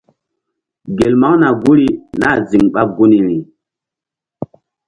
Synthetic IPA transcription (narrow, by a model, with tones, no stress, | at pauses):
ɡe˨lma˦ŋna˨ɡu˦ɾi˨na˦˨zi˨ŋɓa˦ɡu˦ni˨ɾi˨